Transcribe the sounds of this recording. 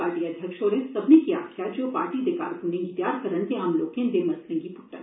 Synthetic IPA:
aːɾʈiɐd̪ʱjəkʃɔːɾesɐbnekia̰ːkʰjad͡ʒoːpa̰ːɾʈid̪ɪka̰ːɾkunẽŋɡit̪jaːɾkɐɾənt̪eaːmloːkẽnd̪emɐst̪ə̃ŋɡipʊʈːə̰

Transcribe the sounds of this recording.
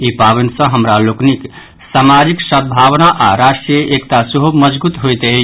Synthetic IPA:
ipaβensə̃ɦəmɾaloknik | samad͡ʒiksət̪̚bʱaβnaʔaɾasʈɾieʔekt̪asəɦuməd͡ʒbut̪ɦojt̪ɛ

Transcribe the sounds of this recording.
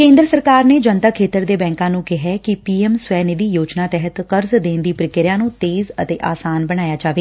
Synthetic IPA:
kẽːnd̪ɾəsəɾkaːɾneːd͡ʒənt̪aːkʰeːt̪əɾd̪eːbɛ̃ːŋkãːnũːkɪɦɛːkɪpiːɛmswɛːnɪd̪iːjoːd͡ʒnãːt̪ɛɦət̪kəɾzd̪ẽːnd̪iːpɾɪkɪɾjãːnũːt̪eːzət̪eːʔaːsaːnbəɽ̃aːjaːd͡ʒaːʋeː

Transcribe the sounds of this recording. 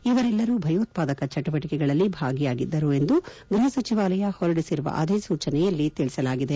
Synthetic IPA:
iʋɐɾɛlːɐɾuːbʱɐjoːt̪̚paːd̪ɐkɐt͡ʃɐʈubɐʈikɛɡɐɭɐlːibʱaːɡijaːɡid̪ːɐɾue̞nd̪uɡɾiɦɐsɐt͡ʃiʋaːlɐjɐhɔɾɖisiɾuʋɐ̰ʔɐd̪eːsuːt͡ʃɐnɛjɐlːit̪iɭisɐlaːɡid̪e

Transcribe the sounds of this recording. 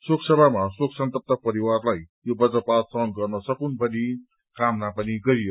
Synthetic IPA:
soksʌbʱamasoksʌnt̪ʌp̚t̪ʌpʌɾiwarlaj | jobʌd͡zʌpat̪sʌŋɡʌrnʌsʌkunbʱʌni | kamnapʌniɡʌɾijo

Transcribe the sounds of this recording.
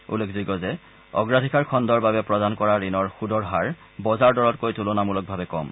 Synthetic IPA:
ṵlekʰziɡɔzɛ | ɔ̰ɡɹadʱikaɹkʰɔndɔɹbabɛpɹɔdankɔɹaɹinɔɹxudɔɹɦaɹ | bɔzaɹdɔɹɔtkojtulɔnamulɔk̚bʱabɛkɔ̰m

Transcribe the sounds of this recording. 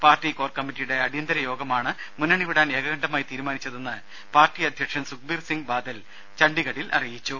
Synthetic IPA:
paːrtːiko̞ːrkɐmːitːijuɽe̞ɐɽijɐnd̪ɐɾɐjo̞ːɡɐmaːɳɨ | munːɐɳiʋiɽaːne̞ːɡɐɣɐɳɖɐmaːjt̪iːɾumaːnit͡ɕːɐðenːɨ | paːrtːiɐd̪ʱjɐkʂɐmsuk̚birsiŋɡɨbaːd̪ɐl | t͡ɕɐɳɖiɣɐɽilʔɐ̰rijit͡ɕːu

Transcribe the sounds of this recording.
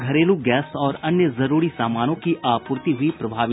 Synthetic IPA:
ɡʱɐɾeːlũɡɛːsɔːɾɐnjəzɐɾuːɾisaːmaːnõkiʔaːpʊːɾt̪iɦʊipɾɐbʱaːʋɪ

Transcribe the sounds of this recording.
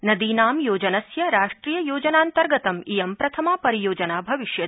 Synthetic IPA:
nɐd̪iːnaːmjoːd͡ʒɐnɐsjɐɾaːʂʈɾiːjɐjoːd͡ʒɐnaːnt̪ɐɾɡɐt̪ɐmijɐmpɾɐt̪ʰɐmaːpɐɾijoːd͡ʒɐnaːbʱɐʋiʃjɐ

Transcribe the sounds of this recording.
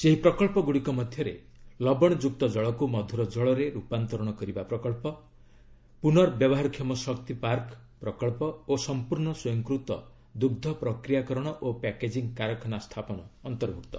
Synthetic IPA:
seɦipɾɔkɔɭpɔɡuɽikɔmɔd̪ʱjɔɾḛ | lɔbɔɽ̃ɔd͡ʒuk̚t̪ɔd͡ʒɔɭɔkumɔd̪ʱuɾɔd͡ʒɔɭɔɾeɾupant̪ɔɾɔɽ̃ɔkɔɾibapɾɔkɔɭpɔ | punɔɾbjɔbɔɦaɾkʰjɔmɔsɔk̚t̪ipaɾk | pɾɔkɔɭpɔosɔmpuɾɳɔswɔjɔŋkɾut̪ɔ̰ | d̪uɡd̪ʱɔpɾɔkɾijakɔɾɔɽ̃ɔʔopɛked͡ʒiŋkaɾɔkʰɔnast̪ʰapɔnɔːnt̪ɔɾbʱukt̪ɔ̥

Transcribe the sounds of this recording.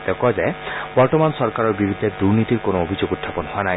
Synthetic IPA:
t̪ɔkɔd͡ʒabɔɾtɔmansɔɾkaɾɔɾbiɾud̪ʱed̪uɾnit̪iɾkonoobʱid͡ʒoɡut̪ʰːapɔnhoana

